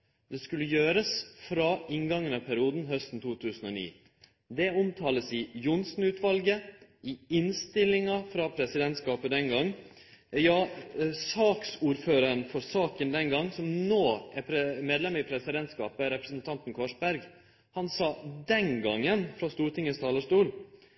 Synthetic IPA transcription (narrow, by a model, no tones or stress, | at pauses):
d̪ɛskʉlːəjøːɾəsfɾɑɪŋɡɑŋːənɑʋpʰæɾɪuːd̪n̩ɦœst̪n̩t̪ʰuːt̪ʰʉːsən̩ɔnḭː | d̪ɛʊmt̪ʰɑːləsɪjʊnsn̩ʉːt̪ʰʋɑlɡəʔɪɪnst̪ɪlːɪŋɑfɾɑpʰɾɛsɪd̪ɛnt̪skɑːpəd̪ɛnɡɑŋː | jɑːsɑːksuːɾføːɾəɾənfɔɾsɑːkənd̪ɛnɡɑŋːsɔmnoːæɾpʰɾɛmeːd̪lɛməɪpʰɾɛsɪd̪ɛnt̪skɑ̰ːpəɾɛpɾəsənt̪ʰɑnt̪n̩kʰʋɑʂbæɾɡ | hɑnsɑːd̪ɛnɡɑŋːənfɾɑst̪uːʈʰɪŋːəst̪ʰɑːləʂt̪uːl